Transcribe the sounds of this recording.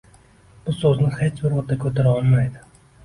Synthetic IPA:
b̥ʊsɵznɪhet͡ʃbʊɾʁʊd̪akʲʰɵt̪ʰaɾaɒlˠmajd̪ɪ

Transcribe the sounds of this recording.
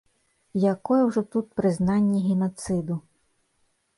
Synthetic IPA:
jɐkɔjɛwʒɔt̪ut̪̚pɾɪznɑnʲːɐɦʲɪnɔt̪sɪd̪ʊ

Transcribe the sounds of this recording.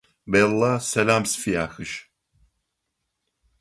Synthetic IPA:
bɛlˠːasɛlamsfijaxɨʃ

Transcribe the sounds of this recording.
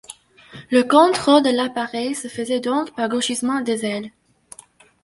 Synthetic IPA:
ləkɔ̃t̪χod̪əlapaʁɛjsəfəzɛd̪ɔ̃kpaʁɡoʃismɑ̃d̪ezɛl

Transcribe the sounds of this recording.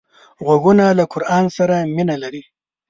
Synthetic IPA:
ɣwaɡunalakʊɾʔɑnsaɾaminalaɾi

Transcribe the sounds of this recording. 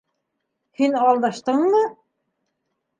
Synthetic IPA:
hinɑlˠd̪ɑʃt̪ɤɴmɤ

